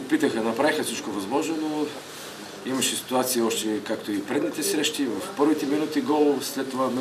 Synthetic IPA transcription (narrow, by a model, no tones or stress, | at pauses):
pit̪əxənɐpɾavixəsit͡ʃkovɐzmɔʒnono | imɐʃɛsi̥t̪uat̪siiɔʃt̪ɛkakt̪oipɾɛd̪nit̪ɛsɾɛʃt̪ivɐfpɤɾvit̪ɛminut̪iɡɔlˠslɛt̪ːovam